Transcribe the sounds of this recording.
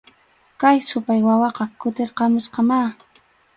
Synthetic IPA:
kajsʊpajwawɑqɑkʊt̪eɾqɑmʊsqɑmaː

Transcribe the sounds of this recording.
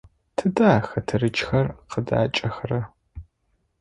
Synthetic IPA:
tʰɨdaːxɐtʰɨɾɨt͡ʃʼxɐrqəda̰ːt͡ʃʼɐxrɐ

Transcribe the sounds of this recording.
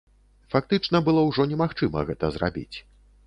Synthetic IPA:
fak̚t̪ɨt͡ʂnɐbɨlˠɔwʐɔnʲɛmaxt͡ʂɨmɐ̰ɣɛt̪ɐzra̰bʲḭt͡sʲ

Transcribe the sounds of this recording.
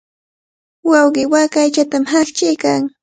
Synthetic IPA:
wɑwɢɪwakajt͡ʃat̪amhakt͡ʃɪjkaŋ

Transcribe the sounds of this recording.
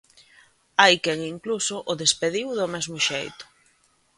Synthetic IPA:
ajkɛŋiŋklusʊʔʊðespeðiwðʊmɛzmʊʃejt̪ʊ̥

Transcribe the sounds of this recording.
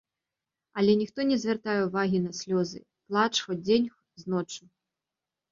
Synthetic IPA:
ɐlʲɛnʲixt̪ɔnʲɛzʲvʲɛrt̪ajɛwvaɣʲinɐsʲlʲɔzɨ̰ | plˠat͡ʂxɔd͡zʲenʲx | znɔt͡ʂu

